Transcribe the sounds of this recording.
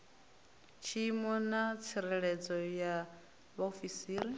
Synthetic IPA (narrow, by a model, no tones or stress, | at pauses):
t͡ʃʰiːmɔnat͡sʰiɾɛɺɛd͡zɔja | βaofisiːɾi